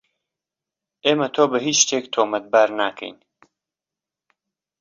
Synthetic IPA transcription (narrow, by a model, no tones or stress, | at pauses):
eːmɐt̪ʰoːbɐɦiːt͡ʃʃt̪ʰeːkt̪ʰoːmɐt̪̚baːɾnaːkʰɛ̰jn